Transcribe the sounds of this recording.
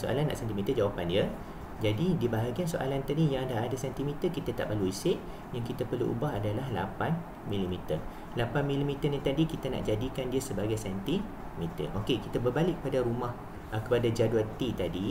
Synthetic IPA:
so̰ʔa̰lanːa̰ʔsɛnt̪imĩt̪əd͡ʒawapandiə | d͡ʒadidibaɦaɡiansoʔa̰lant̪adijaŋdaɦadasɛnt̪imĩt̪əkit̪at̪a̰ʔbaluisɪʔ | jaŋkit̪apərluʔṵbaɦadalaɦla̰pan | mĩlimit̪ər | lapanmĩlimit̪ənit̪adikit̪ana̰ʔd͡ʒadikandiəsəbaɡajsɛnt̪i | mit̪ə̰ʔokekit̪abərbalɪʔkːə̥padaɾumãh | ʔkəpadad͡ʒaduat̪it̪adi

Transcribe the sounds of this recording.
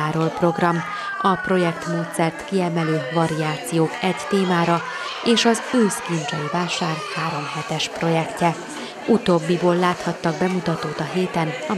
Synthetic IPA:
aːɾolpro̞ɡrɒm | ɒpro̞jɛkt̪moːt̪sɛrt̪kiɛmɛløːvɒɾiaːt̪sijoːkɛct̪eːmaːɾɒ | eːʃɒzøːskint͡ʃɒjivaːʃaːrhaːɾo̞mɦɛt̪ɛʃpro̞jɛkcɛ | ut̪oːbːiboːlːaːt̪hɒt̪ːɒɡ̚bɛmut̪ɒt̪oːt̪ɒɦeːt̪ɛnɒ

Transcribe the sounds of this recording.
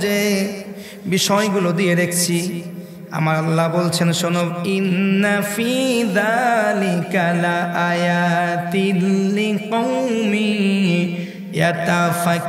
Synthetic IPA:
e | biʃɔjɡulod̪ieɾekʰt͡ɕʰi | a̰maɾalːabolt͡ɕʰenʃonobinːafiðalikalaʔajat̪iliqowmi | jat̪afa

